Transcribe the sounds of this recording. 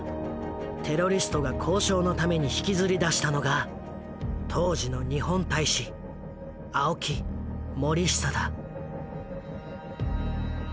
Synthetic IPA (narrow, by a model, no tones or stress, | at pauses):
t̪ʰe̞ɾo̞ɾʲisɨ̥t̪o̞ɡakʰo̞ːɕo̞ːno̞t̪ame̞ɲ̟içi̥kʲizɨɾʲid̪aɕi̥t̪ano̞ɡa | t̪ʰo̞ːʑino̞ɲ̟ihõ̞nt̪aiɕi | aokʲimo̞ɾʲiɕi̥t̪ad̪a